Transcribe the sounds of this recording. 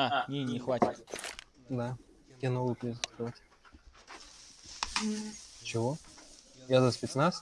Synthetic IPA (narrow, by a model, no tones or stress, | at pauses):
anʲenʲɪxvatʲɪt̪ | d̪a | kʲenovəpɾʲɪzəskɾɪvatʲ | t͡ɕɪvo | jazəspʲɪt̪snas